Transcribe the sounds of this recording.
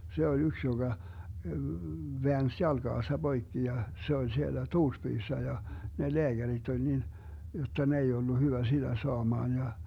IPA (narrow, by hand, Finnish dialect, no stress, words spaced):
se ol yks joɡ̊ɑ ʋeæns jɑlɡ̊ɑːsɑ b̥oikːi jɑ se ol sielːæ tuːrspyːsːæ jɑ ne leæɡ̊ærit olʲ nin jotːɑ ne ei olːu hyʋæ sid̥æ soɑmɑːn jɑ